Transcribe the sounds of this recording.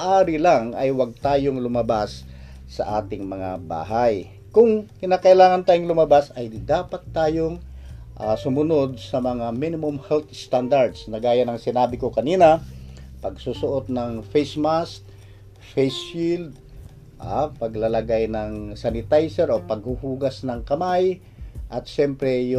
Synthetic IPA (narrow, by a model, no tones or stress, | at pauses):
ʔaːɾɪlaŋʔɐjwɐɡ̚t̪aːjoŋlʊmɐbasː | ɐ̰ʔaːt̪ɪŋmɐŋa̰ba̰ːɦaj | kʊŋkɪnaːkɐʔɪlaːŋɐnt̪aːjoŋlʊmɐbasɐjd̪aːpɐt̪ːaːjoŋʔasʊmʊno̞d̪̚sɐmɐŋaminɪmʊmhɛlt̪st̪and̪aɹd̪snɐɡaːjɐnɐŋsɪnaːbɪkokɐniːnɐpɐɡsuːsʊʔot̪̚nɐŋfejsmast̪̚ | fejsild̪̚ | ʔapɐɡlalɐɡajnɐŋsanɪt̪ajsɛɾopɐɡ̚hʊhuːɡɐsnɐŋkɐmaj | ʔɐt̪̚ʃɛmpɾɛjʊ